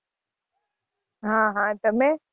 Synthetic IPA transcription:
ɦãɦãt̪ɐmẽ

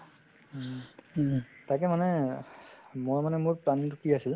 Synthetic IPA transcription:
takɛmanɛ | mɔɹmanɛmʊɹpɹandukiasil

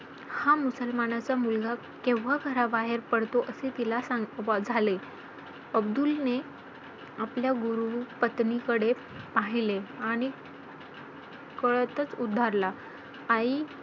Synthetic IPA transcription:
hamusəlmanat͡samulɡa | kẽʋːaɡʱəɾabaɦeɾpəɽt̪oʔəset̪ilasad͡zʱale | əbd̪ulne | apljaɡuɾupət̪nikəɽe | paɦileaɽ̃i | kəɭt̪ət͡sud̪ʱːaɾla | ai

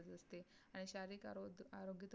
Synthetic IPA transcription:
ət̪əst̪eaɽ̃iɕaɾiːkaaɾoɡit̪

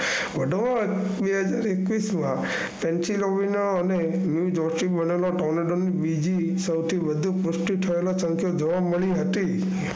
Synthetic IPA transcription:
ʋəɖʋa | beɦəd͡ʒaɾekʋismã | pɛnsiloʋinəɾəne | njud͡ʒɔɾsɾibəneloʈawneɖonibid͡ʒi | səwt̪ʰiʋəd̪ʱupʊsʈiʈ̪ʰəelosəŋkjod͡ʒəʋaməɭiɦət̪i

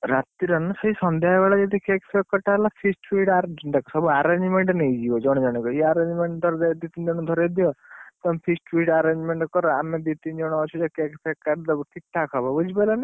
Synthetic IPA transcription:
ɾat̪iɾɔnsɔɦisɔnd̪ʱjaɦabaɭad͡ʒɔd̪ikekpʰekːɔʈalapʰisʈwiʈaɖɔkɔsɔbuaɾend͡ʒmeɳʈnejd͡ʒiɔd͡ʒɔɽ̃ɔd͡ʒɔɽ̃ikɔiaɾend͡ʒmeɳʈd̪ʱɔɾd̪ad̪it̪ind͡ʒɔɽɔd̪ʱɔɾed̪ijɔt̪ɔmpʰisʈʋiʈaɾend͡ʒmeɳʈkɔɾɔamed̪it̪ind͡ʒɔɽ̃ɔɔt͡ʃʰud͡ʒɔkekpʰekːaʈd̪ɔbkiʈʰːakʰɔbʱabud͡ʒipalanɛ

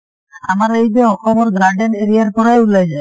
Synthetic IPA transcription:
amaɾejbeɔkʰɔbɔɾɡaɾɖeneɾiaɾkɔɾajulad͡ʑae

